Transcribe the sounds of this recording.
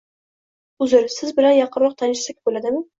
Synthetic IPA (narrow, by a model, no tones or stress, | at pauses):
ʊzɪɾsɪzbɪlanjɑqʰɨɾwɒq̚t̪ʰanɪʃsakʲbolad̪ɪmɪ